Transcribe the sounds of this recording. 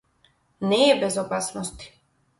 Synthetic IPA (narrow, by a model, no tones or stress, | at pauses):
nɛːbɛzɔpasnɔst̪i̥